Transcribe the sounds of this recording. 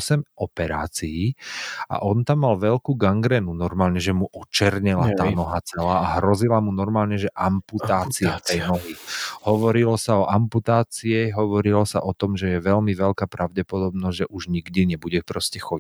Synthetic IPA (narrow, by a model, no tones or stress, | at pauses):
ɔsɛmɔpɛɾaːt͡siia̰ʔɔnt̪amːalʋɛlkuːɡaŋɡɾɛnunɔɾmaːlɲɛʒɛmuʔɔt͡ʃɛɾɲɛlat̪aːnɔɦat͡sɛlaːɦɾɔzilamunɔɾmaːlɲɛʒɛʔamput̪aːt͡siaft̪ɛjnɔɦihɔʋɔɾilɔsaɔʔamput̪aːt͡siɛɦɔʋɔɾilɔsa̰ʔɔt̪ɔmʒɛjɛʋɛlmiʋɛlkaːpɾaʊɟɛpɔd̪ɔbnɔzʒɛʔuʒɲiɡd̪iɲɛbuɟɛpɾɔscɛxɔi